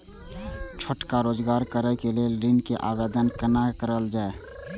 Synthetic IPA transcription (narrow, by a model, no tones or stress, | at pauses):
t͡ʃʰʊʈkaɾoːd͡ʒɡaːɾkəɾəkelieɾɪnkeʔaːʋeːd̪ənkənakəɾəld͡ʒaːe